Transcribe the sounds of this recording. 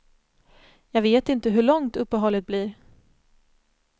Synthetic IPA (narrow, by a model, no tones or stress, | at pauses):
jɑːɡveːt̪ɪnt̪əɦɵɭɔŋt̪ɵpːəɦɔlːɪt̪̚bliːɾ